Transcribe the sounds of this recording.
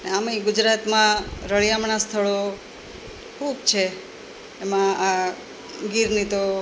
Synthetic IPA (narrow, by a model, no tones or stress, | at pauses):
neamiɡʊd͡ʒɾat̪mãɾəɭjamɳast̪ʰəɭo | kʰubt͡ʃʰeː | mãa | ɡiɾnit̪o